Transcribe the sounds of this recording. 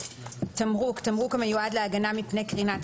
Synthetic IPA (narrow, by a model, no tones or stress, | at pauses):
t̪amʁukt̪amʁukamajuad̪leaɡanamipnekʁinat̪